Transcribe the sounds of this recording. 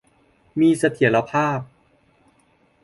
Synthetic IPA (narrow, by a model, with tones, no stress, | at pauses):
miː˧sa˧t̪ʰi˩˦la˧pʰaː˥˩p̚